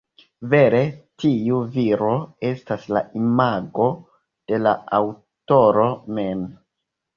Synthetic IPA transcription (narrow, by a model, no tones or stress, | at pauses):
ve̞ɾe̞tiuviɾo̞e̞stasla̰imaɡo̞ | d̥e̞la̰aw | to̞ɾo̞mem